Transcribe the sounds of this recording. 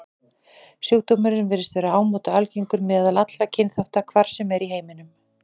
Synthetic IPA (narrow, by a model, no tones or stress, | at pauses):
sjuːwt̪omʏɾnvɛːɾɪst̪vɛːɾaaːwmɔːt̪aalciŋkʏɾmɛːðalat̪lacʰɪnθaft̪akʰvaɾ̥sɛmɛɾiɦeːjmɪnʏm